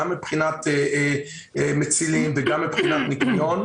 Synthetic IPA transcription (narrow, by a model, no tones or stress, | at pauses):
amːipχinat̪e | met͡silimveɡamːipχinat̪nikujon